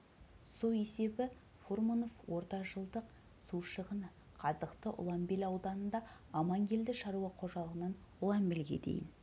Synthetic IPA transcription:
sue̞se̞bɪ | formono̞fwo̞ɾt̪ɑʒəlˠd̪əq̚ | suʃəʁən | qʰɑzəqt̪əʔʊ̰lˠɑmbelʲɑwd̪ɑnənd̪ɑ | ɑmɑŋɡʲe̞ld̪ɪʃɑɾuɑqʰo̞ʒɑlˠəʁənɑn | ʊlˠɑmbelɡʲe̞̰d̪e̞̰jɪ̰n

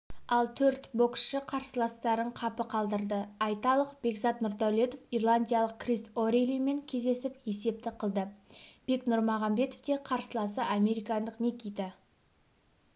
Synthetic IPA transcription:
ɑlˠt̪ʰɵɾt̪bo̞ksʃɪqʰɑɾsəlˠɑst̪ɑɾəɴqʰɑpəqʰɑlˠd̪əɾd̪əɑjt̪ɑlˠəqb̥e̞ɡzɑt̪nʊɾd̪alʲˠet̪ofirlˠanʲd̪ʲijalˠəq̚krisoɾejlijme̞ŋkʲʰe̞zd̪e̞sɪpje̞se̞p̚t̪ɪqʰəlˠd̪əb̥e̞knʊɾmɑʁɑmbe̞t̪ofd̪e̞qʰɑɾsəlˠɑsəʔame̞ɾijkɑnd̪əqne̞kʲijt̪ɪ

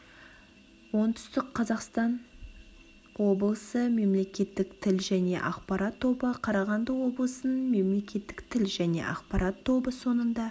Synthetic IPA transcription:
wo̞nt̪ʰʏ̥st̪ɪkqʰːɑzɑqst̪ɑn | wo̞blˠəsəme̞mle̞kʲe̞t̪ːɪkt̪ʰɪlʒæne̞̰ʔɑqpɑɾɑt̪ʰːo̞bəqʰɑɾɑʁɑnd̪əwo̞blˠəsənəɴme̞mle̞kʲe̞t̪ːɪ̥kt̪ʰɪlʒæne̞̰ʔɑ̰qpɑɾɑt̪ʰːo̞bəso̞nənd̪ɑ

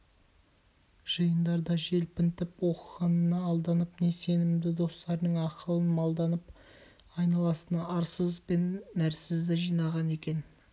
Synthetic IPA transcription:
ʒ̥əjənd̪ɑɾd̪ɑʒe̞lpɪnt̪ɪpwo̞qəʁɑnənɑːlˠd̪ɑnəpne̞se̞nɪmd̪ɪd̪o̞st̪ɑɾnəɴɑqəlˠənmɑlˠd̪ɑnəp | ɑjnɑlˠɑsənɑɑɾsəzbe̞nːæɾsɪzd̪ɪʒijnɑʁɑne̞kʲe̞n

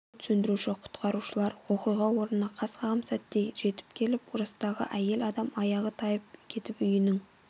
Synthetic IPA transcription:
t̪ʰʏ̥sɵnd̪ɪɾuʃɪqʰʊ̥t̪qɑɾuʃəlˠɑɾwo̞qijʁɑwo̞ɾnənɑqʰɑsqɑʁəmsæt̪ːeʒe̞t̪ɪ̥pkʲʰe̞lɪpʊɾɑst̪ɑʁə̰ʔæje̞lɑd̪ɑmɑjɑʁət̪ʰɑjəp̚kʲʰe̞t̪ɪpʏjɪnɪŋ

